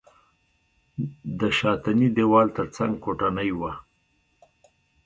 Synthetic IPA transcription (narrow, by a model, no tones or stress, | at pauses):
d̪əʃɑt̪anid̪ewɑlt̪əɾt͡saŋɡ̚koʈanəjwa